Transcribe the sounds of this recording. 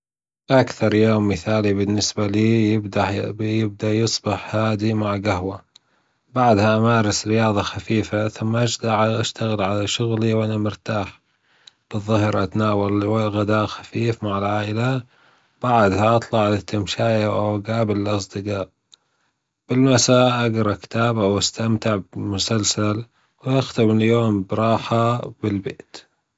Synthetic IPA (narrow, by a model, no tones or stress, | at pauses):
ʔakθɑɾˤjoːmːɪθaːlibɪnːɪsbaliːjɪbd̪ajɪb̚d̪ajɨsˤbɪħhaːd̪imaʕɡaɦwa | baʕd̪haʔamaːɾˤɑsɾɪjɑːðˤɑxafiːfaθʊmːaʔad͡ʒd̪aʕʔaʃt̪aɣɪlʕalaʃʊɣliwʔanamʊɾt̪aːħ | b̥ɨðˤːʊhɾʔat̪naːwalɪɣad̪aːʔxḁfiːfmaʕɪlʕaːʔɪla | b̥aʕd̪haʔɑt̪ˤlɑʕlɪt̪ːɪmʃaːjawʔawaɡaːbɪlɪlʔɑs̬ˤd̪ɨqɑːʔ | b̥ɪlmasaːʔʔaɡɾˤɑkɪ̥t̪aːbawast̪amt̪ɪʕbɪmʊsalsal | wʔaxt̪ɪmɪjoːmbɾˤɑːħabɪlbeːt̪